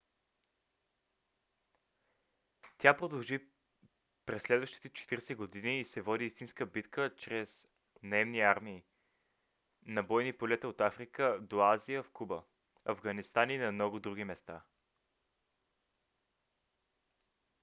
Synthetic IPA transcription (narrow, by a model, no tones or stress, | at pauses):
t̪ʲapɾod̪ɐlˠʒi | pɾɛsːlɛd̪vəʃt̪i̥t̪ɛt͡ʃɛ̥t̪iɾsɛɡod̪iniːsɛvɔd̪iist̪inskəbit̪kət͡ʃɾɛz | nɐɛmniaɾmiː | nɐbɔjnipolɛt̪əot̪afɾikəd̪oazijəfkubə | ɐvɡɐnist̪aninɐmnɔɡʊd̪ɾuɡ̟imɛst̪a